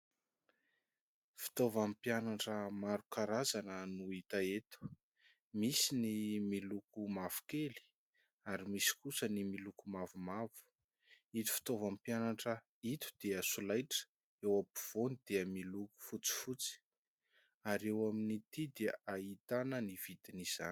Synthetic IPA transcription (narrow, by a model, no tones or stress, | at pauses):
fi̥t̪ovampjanaʈ͡ʂəmaɾukaɾazanənuit̪aet̪u̥ | misinimilukumav̥u̥keli̥ | aɾimisi̥kusənimilukumavumavu̥ | it̪u̥fi̥t̪ovampianaʈ͡ʂə | it̪u̥d̪̥eəsulajʈ͡ʂə̥ | ewapuv̥onid̪̥eəmiluku̥fut͡si̥fut͡si̥ | aɾewaminit̪id̪eait̪anəniv̥it̪iniz̥a̰ni̥